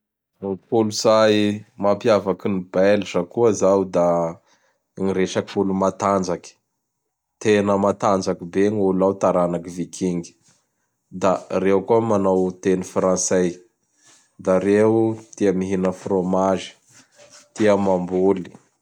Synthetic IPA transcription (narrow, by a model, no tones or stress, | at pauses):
puluzajmapiavakinibɛlisakuəzawd̪a | ŋiɾeʃakifulumat̪and͡ʒaki̥ | t̪enəmat̪and͡ʒakibeɲulawt̪aɾanakivikʰiŋɡi̥ | d̪arewkuəmanawt̪enifrãnsej | d̪aɾeut̪iəmiɦinəfromaʒi̥ | t̪iəmambuli̥